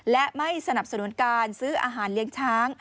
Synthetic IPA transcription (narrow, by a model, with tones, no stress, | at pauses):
lɛ˦˥ʔma˥˩jsa˧na˨˩p̚sa˧nu˨˩˦nkaː˧nsɯː˦˥ʔa̰ː˧ɦaː˩˦nli˧˦˥əŋt͡ɕʰaː˦˥ŋ